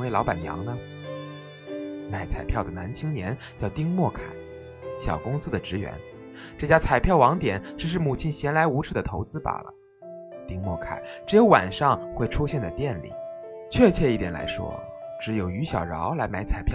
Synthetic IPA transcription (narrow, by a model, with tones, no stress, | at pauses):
we˥˩ɪlɑ˧˥pa˨˩njɑ̰˧˥ŋnə˧ | ma˧˩ɪt͡sʰa̰˨˩ɪpʰjɑ˥˩ʊd̪ə˩na˧˥nt͡ɕʰi˥ŋnjɛ˧˥n | t͡ɕjɑ˥˩ʊt̪i˥ŋmwɔ˥˩kʰa̰˨˩˦ɪ | ɕjɑ̰˨˩ʊkʊ˥ŋsɹ̩˥d̪ə˨ʈ͡ʂɻ̩˧˥ɥɛ̰˧˥n | ʈ͡ʂɤ˥˩t͡ɕja˥t͡sʰa˨˩ɪpʰjɑ˥˩ʊwɑ˧˥ŋt̪jɛ˨˩˦nʈ͡ʂɻ̩˧˥ʂ̬ɻ̩˥˩mu˨˩t͡ɕʰi˧˥nɕjɛ˧˥nla˧˥ɪu˧˥ʈ͡ʂʰɻ̩˥˩d̪ə˩t̪ʰo˧˥ʊt͡sɹ̩˥pa̰˨˩lə̰˩˦ | t̪i˥ŋmwɔ̰˥˩kʰa̰˨˩˦ɪʈ͡ʂɻjo˧˥ʊwa̰˨˩nʂɑ˥˧ŋxwe˥˩ɪʈ͡ʂʰu˥ɕjɛ˥˩nd̪ə˩pjɛ˥˧nlḭ˨˩˦ | t͡ɕʰɥɛ˥˧t͡ɕʰɥɛ˥˧i˥˩t̪jɛ˨˩nla̰˧˥ɪʂwɔ̰˥ | ʈ͡ʂɻ̩˧˥jo˨˩ʊy˧˥ɕjɑ˨˩ʊɻɑ˧˥ʊla˧˥ɪma˧˥ɪt͡sʰa˨˩ɪpʰj